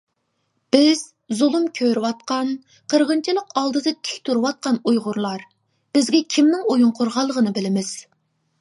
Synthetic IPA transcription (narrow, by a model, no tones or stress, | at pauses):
b̥ɪz̥ | zulˠɨmkʲʰøɾɪwɑt̪̚qɑn | qʰəɾʁənt͡ʃʰilˠəqɑlˠd̪ɨd̪ɨt̪ʰɪ̥kʲt̪ʰuɾɨwɑt̪̚qɑnujʁʊɾlˠɑɾ | b̥ɪzɡʲɛkʲʰimnɪŋojuŋqʰoɾʁɑlˠːəʁənɨbɪlɪmɪz̥